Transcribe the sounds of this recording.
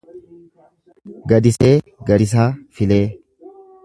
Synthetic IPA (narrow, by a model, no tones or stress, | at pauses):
ɡɐd̪ɪse̞ː | ɡɐd̪ɪs̬aːfɪleː